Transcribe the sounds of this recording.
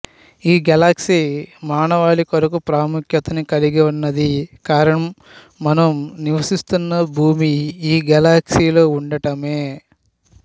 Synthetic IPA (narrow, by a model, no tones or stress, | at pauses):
iːɡɛlaːksimaːɳɐʋaːɭikɐɾɐkupɾaːmukʰjɐt̪ɐnikɐliɡiʋɐnːɐd̪ikaːɾɐɳɐmː | ɐnɐmniʋɐsist̪unːɐbʱuːmiiːɡɛlaːksiːloːuɳɖɐʈɐme̞ː